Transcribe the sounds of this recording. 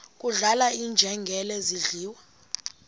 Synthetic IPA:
kʼuɮalaiːnd͡ʒʱɛŋɡʱɛlɛziɮiːwa

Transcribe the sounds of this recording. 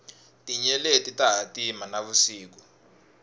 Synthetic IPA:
tʼiɲɛletʼitaɦatʼimanaβusiːk̬ɔ̥

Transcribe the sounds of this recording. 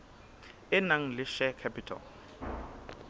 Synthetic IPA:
ɪnaŋ̩lɪʃɛkʰɛpʰitʰɔ̰l

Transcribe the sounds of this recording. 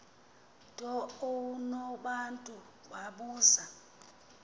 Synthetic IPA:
tʼɔowunɔɓantʼu | ɓaɓuːza

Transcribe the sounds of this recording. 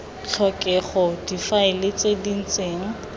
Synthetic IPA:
t͡ɬʰɔkʼɛχɔdifaɪlɪt͡sedin̩t͡sʼeːŋ̩

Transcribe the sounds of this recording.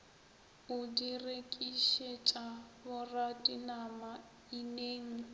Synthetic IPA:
ʊdirekʼiʃet͡ʃʼabʊratʼinama | ineːŋ̩

